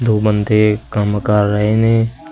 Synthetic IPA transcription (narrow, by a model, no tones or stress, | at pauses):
d̪oːbənd̪ʱekəmkəɾːəɦene